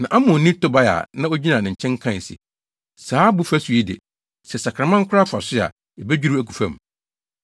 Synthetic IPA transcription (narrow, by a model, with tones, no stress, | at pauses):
nã˨ʔa˦mʊ̃˨nĩ˦tʊ˦ba˦ja̰˨nã˦o˦d͡ʑi˦nã˨nɪ̃˨ɲ̩˨t͡ɕʰɛ̃˦ŋ˦kʰã˦˨n˨sɪ̰˨ | saː˨˦bʊ˦fæ˦su˨i˦dɪ̰˨ | sɛ˨sa˨kʰã˨mã˦ŋ̩˦kʰʊ˦ɾa˦fa˨sɪ˦˨a̰˨ | ɛ˨bɛ˦d͡ʑᶣu˦ɾu˦æ˦kʰu˨fæ̰˦˨m˨